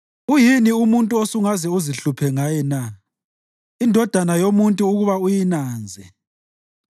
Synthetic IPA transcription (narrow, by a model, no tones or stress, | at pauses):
ujiniumuntʼuosuŋazɛuziɬupʰɛŋajɛna | indʱɔd̥ʱanajomuntʼuːɣuβaujinaːnd͡zʱɛ